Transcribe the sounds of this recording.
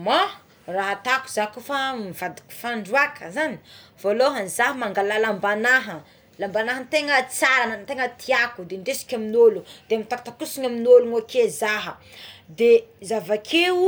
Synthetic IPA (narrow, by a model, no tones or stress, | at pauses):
ma | raɦat̪aku̥zakufamivad̪u̥kʲu̥faɳɖ͡ʐuakʰəzani̥v̥oloɦanzaɦəmaŋɡalalambanaɦə | lambanaɦənt̪eŋət͡saɾanənt̪eŋət̪ʰiakud̪eɳɖ͡ʐesi̥kʲaminolud̪̥eamit̪ak̚t̪akusiɲaminoluŋakezaɦə | d̪ezavakʰe